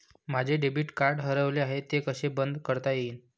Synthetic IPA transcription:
m̤ad͡ʑʱeɖebiːʈkaɾɖɦəɾəʋleaɦet̪ːekəɕebənd̪kəɾt̪ajeiːn

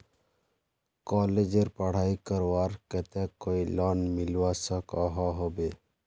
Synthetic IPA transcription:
kɔːled͡ʒeɾpəɽ̤aːikəɾwaːɾkət̪ɛkoilaːnmɪlwasəkaɦaɦobe

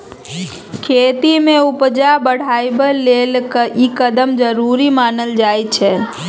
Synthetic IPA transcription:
kʰeːt̪imẽupd͡ʒabəɽ̤ajbəlːelkikəd̪əmd͡ʒəɾuɾimaːnəld͡ʒajt͡ʃʰɛ

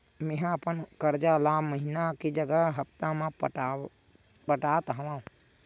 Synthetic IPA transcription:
meɦãəpənkəɾd͡ʒalaːməɦinakid͡ʒəɡəɦɦəpt̪amãpʈː | pəʈaːt̪ɦə̃ʋãːũ

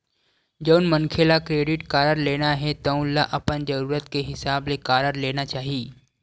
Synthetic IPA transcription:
d͡ʒəʊnməŋkʰelakɾeːɖɪʈkaːɾəɾleːnaɦɛt̪ɐũlaʔɐpənd͡ʒɐɾuːɾət̪keɦɪsaːblekaːɾəɾleːnat͡ʃaːɦiː

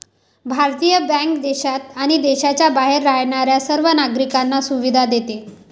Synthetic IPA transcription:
bʱaɾt̪ijəbɛ̃ŋkd̪eɕat̪aɽ̃id̪eɕat͡ɕjabaɦeɾːajɳaɾjasəɾʋənaɡɾikanːasuʋid̪ʱad̪et̪e

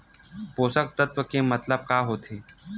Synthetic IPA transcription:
poːsək̚t̪ət̪wəkemɐt̪ləb̚kaːɦoːt̪ʰeː

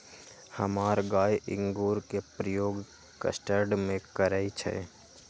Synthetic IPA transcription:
həmaːɾɡaːjɪ̰̃ŋɡuːɾkepɾəjoːɡ | kə̰sʈəɾɖmẽkəɾəit͡ʃʰɛ̰

